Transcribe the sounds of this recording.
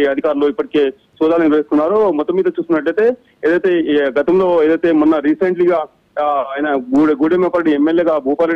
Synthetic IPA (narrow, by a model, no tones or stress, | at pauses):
ɐd̪ʱikaːɾuloipːɐʈike̞ː | sɔːd̪aːlɐniɾʋeːst̪unːaːɾomɔt̪ːɐmːiːd̪ɐt͡ʃuːst̪unːɐʈ̬ːɐjt̪e̞ː | eːd̪ɐjt̪e̞ːɡɐt̪ɐmlo̞ːeːd̪ɐjt̪eːmunːɐɾiːseɳʈliɡaː | aːjnɐuɡuːɽemepaːɾɐɽiemːeljeːɡaːbʱuːpaːle